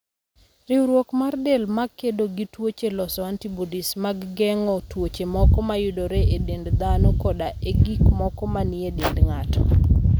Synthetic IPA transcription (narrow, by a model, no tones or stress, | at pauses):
riwɾwokmardelmakːedoɡitwot͡ʃelɔsɔantibodismaɡɡɛŋɔtwot͡ʃemɔkɔmajʊdoɾeʔedendd̪anɔkɔdaʔeɡikmɔkɔmaniedendŋatɔ̰